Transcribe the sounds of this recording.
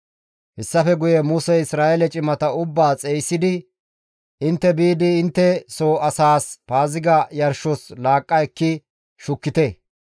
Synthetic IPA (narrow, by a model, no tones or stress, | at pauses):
hɛsːɐfɛɡʊjɛmusɛɪsɾaːʔɛlɛt͡ʃʼɪmɐt̪ɐʊbːaːt͡sʼejsːɪd̪ɪ | ʔɪnt̪ːɛbiːd̪ɪːnt̪ːɛsoːɐsaːspaːzɪɡɐjɐɾʃɔslaːkʼːɐɛkːɪ | ʃʊkːɪt̪ɛ